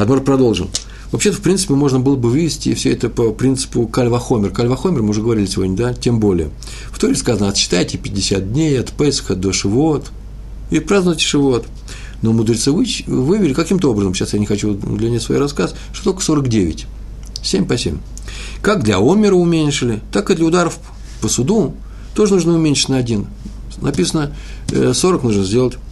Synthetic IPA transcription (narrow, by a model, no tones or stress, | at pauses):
ɐt̪morpɾɐd̪o̞lˠʐɨn | vɐpɕet̪əfpɾʲint̪sɨ̥pʲɪmo̞ʐnəbɨlˠəbɨvɨvʲɪsʲtʲɪfsʲɵɛt̪əpəpɾʲint̪sɨ̥pʊkalʲvɐxo̞mʲɪrkalʲvɐxomʲɪrmɨʊʐɛɡəvɐɾʲilʲɪsʲɪvodʲnʲəd̪atʲe̞mbo̞lʲɪ̰jə | ft̪o̞ɾʲɪskazənəɐt̪ɕɪ̥t̪ajtʲɪpʲɪdʲɪsʲat̪̚dʲnʲejɐt̪pɛsə̥xəɐd̪oʂɨvot̪ | ɪpɾaznəvətʲɪ̥ʂɨvot̪ | no̞mʊd̪ɾʲɪt̪sɨvɨvɨvʲɪlʲɪkɐkʲimt̪əo̞bɾəzəmɕasjanʲɪxɐt͡ɕud̪lʲɪmʲɪasvɐjḭrɐskas | ʂt̪ot̪olkə̥so̞ɾəkdʲevʲɪ̰tʲ | sʲemʲpɐsʲḛmʲ | kak̚d̪lʲɐ̰omʲɪɾəʊmʲenʲʂɨlʲɪt̪akɨd̪lʲəʊd̪aɾəf | pəsʊd̪u | t̪o̞ʐɨnuʐnəʊmʲenʲʂɨ̥tʲnəɐdʲin | nɐpʲisənə | so̞ɾəknuʐnəzʲdʲe̞lˠətʲ